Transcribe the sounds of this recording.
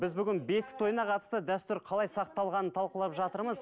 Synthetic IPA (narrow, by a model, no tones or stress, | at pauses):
bɪzbʏɡʲɪnbe̞sɪ̥t̪ʰo̞jənɑqʰɑt̪əst̪əd̪æst̪ʏɾqʰɑlˠɑjsɑq̚t̪ːɑlˠʁɑnənt̪ʰɑlˠqəlˠɑpʒɑt̪əɾməz